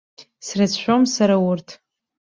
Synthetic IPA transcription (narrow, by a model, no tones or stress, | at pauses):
srat͡sʃʷᶣomsaɾawʊrtʰ